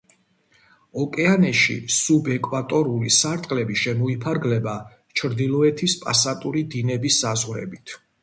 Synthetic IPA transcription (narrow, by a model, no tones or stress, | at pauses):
ɔkʼɛanɛʃḭsubɛkʼwat̪ʼɔɾulisaɾt̪ʼqʼlɛbiʃɛmɔipʰaɾɡlɛba | t͡ʃʰɾd̪ilˠɔɛt̪ʰispʼa̰sat̪ʼuɾid̪inɛbisːazʁɾɛ̰bit̪ʰ